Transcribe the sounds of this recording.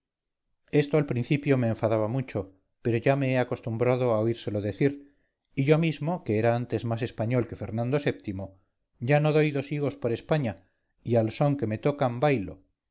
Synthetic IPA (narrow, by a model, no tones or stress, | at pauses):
e̞st̪oalpɾin̟θipjo̞me̞ːɱfaðaβamut͡ʃo̞ | pe̞ɾo̞ʝame̞eako̞st̪umbɾað̞o̞aoiɾse̞lo̞ðe̞θiɾ | iʝo̞mizmo̞keeɾaant̪e̞zmase̞spaɲo̞lke̞fe̞ɾnãnd̪o̞se̞p̚t̪imo̞ | ɟ͡ʝano̞ðo̞jðo̞siɣo̞spoɾe̞spaɲa | ialso̞ŋke̞me̞t̪o̞kambajlo̞̰